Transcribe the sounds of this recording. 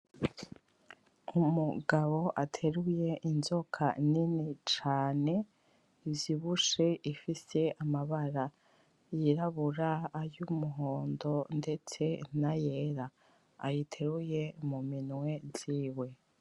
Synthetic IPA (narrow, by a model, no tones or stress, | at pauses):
umuɡaβo̞ʔatʰe̞ɾuje̞ʔinzo̞kʰaninit͡ʃaːne̞ | ivjiβuʃe̞ʔifise̞ʔamaβaɾa | jiɾaβuɾaːjumuɦo̞ːndo̞nde̞t͡se̞naje̞ɾa̰ː | jitʰe̞ɾuje̞muminŋwe̞ziːwe̞